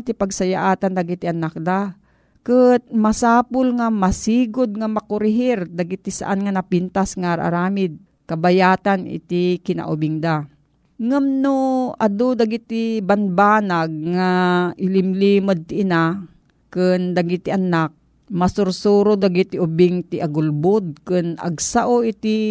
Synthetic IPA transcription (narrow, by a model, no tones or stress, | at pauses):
t̪ɪpaɡsajaʔaːt̪and̪aɡit̪ɪʔanak̚d̪a | kɨt̪̚masaːpʊlŋamasiːɡʊd̪̚ŋamɐkʊɾɪɦɪɾd̪aɡit̪ɪsa̰ʔanŋanɐpint̪asŋaɾʔa̰ɾaːmɪd̪̚ | kɐbajaːt̪anɪ̰t̪ɪkɪna̰ʔʊbɪŋd̪a | ŋamnoʔad̪od̪aɡit̪ɪbanbaːnaɡ̚ŋaʔɪlɪmlimod̪̚t̪ɪʔːna | kɨnd̪aɡit̪iʔanak̚ | masʊɾsuɾod̪aɡit̪ɪʔʊbɪŋt̪ɪʔaɡʊlbod̪̚kɨnɐ̰ɡsaʔoɪt̪ɪ